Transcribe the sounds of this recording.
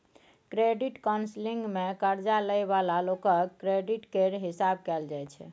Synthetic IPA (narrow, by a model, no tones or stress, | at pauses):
kɾeɖiʈkansliŋɡmekəɾd͡ʒaləjβalalokəɾeɖiʈkeɾɦisab̚kɛld͡ʒajt͡ʃʰɛ̰